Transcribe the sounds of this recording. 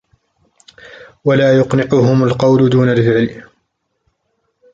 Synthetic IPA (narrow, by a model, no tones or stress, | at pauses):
walaːjʊqnɪqʊɦʊmalqɑwlʊd̪uːnalfɪʕl